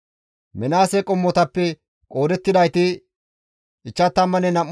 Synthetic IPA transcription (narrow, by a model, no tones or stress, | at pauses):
mɛnaːsɛkʼɔmːɔt̪ɐpːɛ | kʼo̞ːd̪ɛt̪ːɪd̪ɐjt̪ɪ | ɪt͡ʃːɐt̪ːɐmːɐnɛnɐmː